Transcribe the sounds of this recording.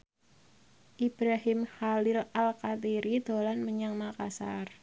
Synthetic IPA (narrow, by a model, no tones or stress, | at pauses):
ʔib̥ɾaɦɪmhalɪlalkat̪iɾid̪̥olanməɲaŋmakasar